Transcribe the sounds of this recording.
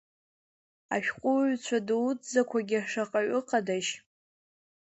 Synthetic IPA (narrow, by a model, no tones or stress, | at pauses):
a̰ʃᶣqʷʼʊɥt͡ɕʷʰadwt͡szakʷʰaɡʲɪaʂaqʼaɥʊqʼadaʃ